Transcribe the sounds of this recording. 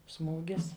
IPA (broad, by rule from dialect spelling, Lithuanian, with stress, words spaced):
ˈsmuːɡʲɪs